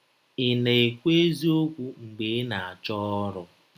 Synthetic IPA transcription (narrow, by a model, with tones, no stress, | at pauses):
ɪ˨ne˨e˨kʷe˦zi˦o˦kʷu˦ŋ͡m̩˨ɡ͡be˨˦na˨a˨t͡ʃɔ˦ɾʊ˨